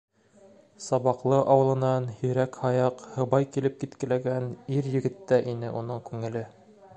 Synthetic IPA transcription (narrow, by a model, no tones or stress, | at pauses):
sɑβɑqlˠɤʔɑwɤ̆lˠɤ̆nɑnhɵ̆jɾækhɑjɑqhɤ̆bɑjkilɘp̚kit̪kɘ̆læɡæniɾjɘ̆ɡɘ̆t̪ːæʔinɘʔunɤɴkʉŋɘ̆lɘ